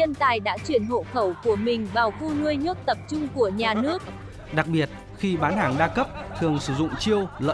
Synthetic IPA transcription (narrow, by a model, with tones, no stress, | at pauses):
ə˧nt̪aː˨˩jɗa̰ː˧˥t͡ɕwi˧˩ənɦo̰˧˨xə˧˩wku˧˩əmï˨˩ŋ̟vaː˨˩wfu˧nu˧əjɲə˦˥t̚t̪ə˨˩p̚t͡ɕʊ˧ŋ͡mku˧˩əɲaː˨˩nɨ˦˥ək̚ | ɗa˨˩k̚ɓi˨˩ət̚ | xi˧ɓaː˨˦nhaː˨˩ŋɗaː˧kə˦˥p̚t̪ʰɨ˨˩əŋsɨ˧˩zʊ̰˧˨ŋ͡mt͡ɕi˧əwlə̰ː˧